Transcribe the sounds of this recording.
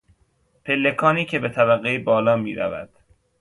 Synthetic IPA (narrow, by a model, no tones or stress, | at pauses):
pʰelːekʰɒːniːcʰe̞bet̪ʰæbæɣebɒːlɒːmḭːɾæ̰væ̰d̪̥